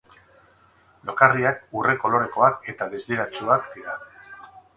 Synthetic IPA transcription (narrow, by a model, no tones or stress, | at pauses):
lo̞kariakure̞ko̞lo̞ɾe̞ko̞ake̞t̪aðezd̪eɾat͡ʃuakd̪iɾa